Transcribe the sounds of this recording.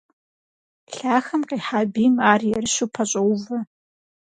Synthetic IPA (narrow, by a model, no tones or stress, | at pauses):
ɬaːxɐmqʼiːħabimaːrjɛrɨʃʷupʰɐɕʷʼɐwvɐ